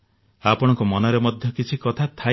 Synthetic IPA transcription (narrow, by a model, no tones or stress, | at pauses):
apɔɽ̃ɔ̃ŋkɔmɔnɔɾemɔd̪ʱjɔkit͡ʃʰikɔt̪ʰat̪ʰa